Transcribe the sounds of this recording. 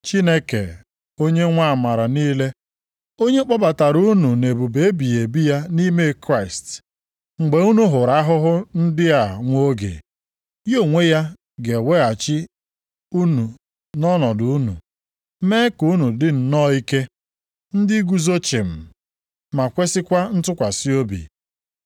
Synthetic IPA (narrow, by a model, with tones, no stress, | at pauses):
t͡ʃi˦ne˦kḛ˨ | o˦ɲe˦ŋʷa˦˨ma˨ɾa˨niː˦le˦ | o˦ɲe˦k͡pɔ˦ba˨ta˨ɾu˦nu˨ne˨bu˨be˨e˦bi˨e˨bi˦ja˦ni˦me˦kɾa˦˨ɪ˨st | ŋ͡m̩˨ɡ͡be˨u˦nu˦ɦʊ˨ɾa˦ɦʊ˦ɦʊ˦n̩˦dɪ˦a˨ŋʷo˦ɡḛ˨ | jo˦˨ŋʷe˦ja˦ | ɡe˨we˦a˨t͡ʃɪ˦ | u˦nu˨ | nɔ˦nɔ˨dʊ˨u˦nṵ˨ | me˦ku˦nu˨dɪ˦n̩˨nɔ˦i˦ke˦ | n̩˦dɪ˦ɡu˦zo˦t͡ʃɪ˨m̩˨ | ma˨kʷe˦sɪ˦kʷa˦n̩˦tʊ˦kʷa˨si˦o˦bḭ˨